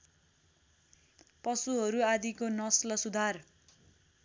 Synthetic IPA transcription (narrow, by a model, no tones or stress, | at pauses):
pʌsuɦʌɾuad̪ikonʌslʌsud̪ʱar